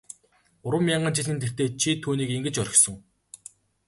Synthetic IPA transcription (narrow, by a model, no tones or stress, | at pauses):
ʊɾwə̆mʲjaɴɢə̆nt͡ɕiɮiːnt̪ʰer̥t̪eːt͡ɕʰit̪ʰuːniːkeŋɡɘ̆t͡ɕœɾʲɪ̆xsɞ̆ŋ